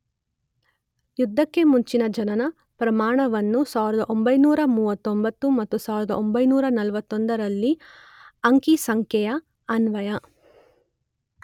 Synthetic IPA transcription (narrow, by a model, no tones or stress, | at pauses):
jud̪ʱːɐkːe̞muɲt͡ʃinɐd͡ʒɐnɐnɐ | pɾɐmaːɳɐʋɐnːusaːʋiɾɐd̪ɐʔombɐjnuːɾɐmuːʋɐt̪ːombɐt̪ːumɐt̪ːusaːʋiɾɐd̪ɐʔombɐjnuːɾɐnɐlʋɐt̪ːond̪ɐɾɐlːi | ɐŋkisɐŋkʰjɛjɐ | ɐnʋɐjɐ